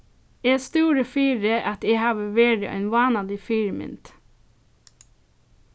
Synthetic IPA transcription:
eːst̪uːɾəfiːɾəʔɑt̪eːhɑːʋəʋeːɖə̰ʔœ̰nʋɑːnɑd̪ɪfiːɾəmɪ̰nt̪

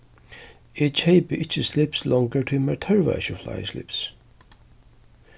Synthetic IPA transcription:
ɪt͡ʃʰeɪpəʔɪt͡ʃəslɪpslɔ̃ŋɡəɹtʰuməɹt̪ʰəɹva̰ʃəfla̰ɪə̰slɪ̰ps

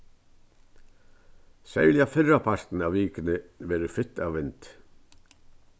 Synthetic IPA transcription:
sɛjljafɪrapʰaɾ̥t̪n̩aʋːiːkɪnɪʋɛːɾɪfɪt̪aʋːɪnt̪

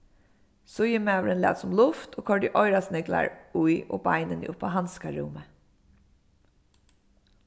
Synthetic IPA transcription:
sʊjəmæʊɹɛnlæ̰ːt̪sʊmlʊft̪ʰoːkʰɔɹɖɪʔɔʏɾasnɪɡla̰ɹujo̰ːbaɪnən̰ʔʊpːaɦanskaɹṵːmə

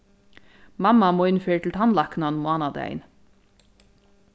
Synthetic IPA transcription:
mɑmɑmoːɪnføːʈ̪ʰl̩t̪ʰɑnlɑknɑnmʊɑːnɑd̪æ̰ɪ̰n

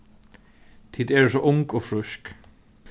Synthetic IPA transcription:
t̪ʰiːd̪ɛɹsɔʔʊŋkɔfɾʏsk

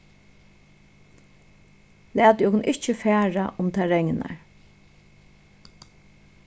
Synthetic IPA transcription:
læːt̪jɔkʊnʔɪht͡ʃəfæːɹaʔʊmt̪ʰaːɹɛŋɪna̰ɹ

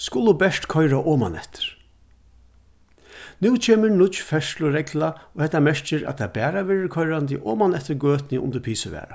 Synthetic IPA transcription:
skʊlʊbɛʂt̪kʰɔjɾaʔɔːma̰nɛ̰ht̪ɪ̥ɾ̥ | nuːt͡ʃʰeːmɪɹnʊt͡ʃfɛʂlʊɾɛklaɔhɛt̪ːamɛɹt͡ʃɪɾæ̰t̪ʰabɛːɾaʋɛːɾɪɾkʰɔjɾant̪ɪʔɔːmanɛht̪ɪɾɡøːt̪nɪʔʊ̰nt̪əɾpʰiːsɪʋɛ̰ːɾa

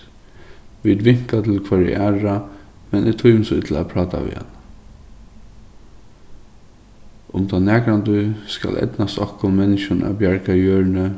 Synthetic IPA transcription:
ʋid̪ʋɪŋ̥kat̪ʰɪlkʰvaɹɪ̰ʔaːɹa | mɛnʔɪt̪ʰʊjmsʊt̪ʰl̩a̰pʰɹɑːt̪ʰa̰ʋɪ̰a̰n | ʊmt̪ʰanæːkɾand̪ʊska̰lʔɛ̰t̪nast̪ɔhkʊnmɛnɪʃʊna̰bjaɹkajœːɹnə

